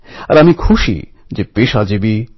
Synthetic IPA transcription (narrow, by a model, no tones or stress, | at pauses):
ɐ̰ɾamĩkʰuʃḭ | d͡ʒepeʃad͡ʒebi